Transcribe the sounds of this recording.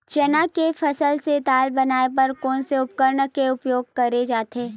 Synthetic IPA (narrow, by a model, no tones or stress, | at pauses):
t͡ʃɐnakefʰɐsəlset̪aːlbɐnaːepɐɾkɔːnseʊp̚kəɾɳkeʊpjoːɡ̚kɐɾed͡ʒaːt̪eː